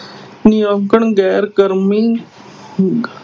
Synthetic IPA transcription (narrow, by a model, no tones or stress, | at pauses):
nijə̃ŋkəɳɡɛːɾkəɾmi